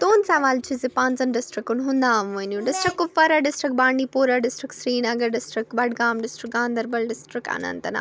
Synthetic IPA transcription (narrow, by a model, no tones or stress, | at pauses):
t̪oːnsɐʋaːlt͡ʃʰizipãːnzɐnɖɪsʈɾɪkunɦʊ̃nd̪aːʋʋɐnũɖɪsʈɾɪkːʊfɐɾɐɖɪsʈɾɪkbaːɳɖiːpuːɾaɖɪsʈɾɪksɾiːnɐɡɐɖɪsʈɾɪkbɐɽɡaːmɖɪsʈɾɪk̚ɡãːnd̪ɐɾbɐlɖɪsʈɾɪka̰ːnɐ̰nt̪ɐna̰ː